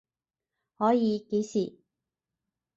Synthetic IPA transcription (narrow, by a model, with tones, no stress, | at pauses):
hɔː˨˥jiː˨˧ke˨˥jsiː˨˩